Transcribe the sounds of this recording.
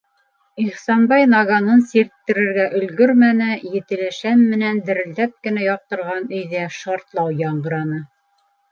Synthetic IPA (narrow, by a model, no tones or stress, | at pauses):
iχsɑnbɑjnɑɡɑnɤnsiɾt̪ːɘ̆ɾɘ̆ɾɡæʔɵ̆lɡɵɾmænɘjɘ̆t̪ɘ̆læʃæmːɘ̆nænd̪ɘ̆ɾɘ̆ld̪æp̚kɘ̆næjɑq̚t̪ɤ̆ɾʁɑnɵ̆jðæʃɑɾt̪lˠɑwjɑɴɢɤ̆ɾɑnɤ